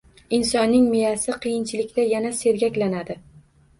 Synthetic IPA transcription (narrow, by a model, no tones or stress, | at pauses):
ɪnsɒnːɪŋmijasɪqʰɨjɪnt͡ʃʰɪlɪkʲt̪ajanase̞ɾɡʲakʲlanad̪ɪ